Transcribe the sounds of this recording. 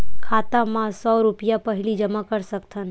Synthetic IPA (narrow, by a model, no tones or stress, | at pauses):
kʰaːt̪amãsɔːɾʊpjapəɦɪlid͡ʒəmakəɾsəkt̪ʰən